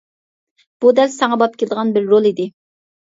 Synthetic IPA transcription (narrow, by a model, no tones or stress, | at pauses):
b̥ud̪ɛlsɑŋɑbɑp̚kʲʰelɪd̪əʁɑnbɪɾːolˠid̪ɪ